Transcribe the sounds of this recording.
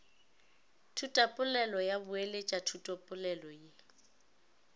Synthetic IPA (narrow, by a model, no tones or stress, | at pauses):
tʰutʼapʼʊlɛlɔjabʊelet͡ʃʼatʰutʼɔpʼʊlɛlɔje